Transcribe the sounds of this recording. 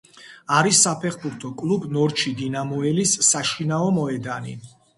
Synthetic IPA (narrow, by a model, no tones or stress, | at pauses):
aɾisːapʰɛχbuɾt̪ʰɔkʼlˠubnɔɾt͡ʃʰid̪inamɔɛlisːaʃinaɔmɔɛd̪anḭ